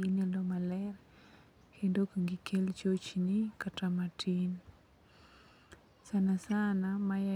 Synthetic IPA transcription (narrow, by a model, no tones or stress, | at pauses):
inelomalɛr | kendokaŋɡikʰelt͡ʃot͡ʃnikatamatʰin | sanasanamaja